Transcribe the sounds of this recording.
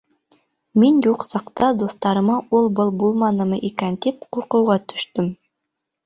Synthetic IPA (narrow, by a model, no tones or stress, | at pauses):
minjuqsɑqt̪ɑd̪uθt̪ɑɾɤ̆mɑulˠbɤlˠbulˠmɑnɤ̆mɤʔikænt̪ipquɾqɤ̆wʁɑt̪ɵ̥̆ʃt̪ɵm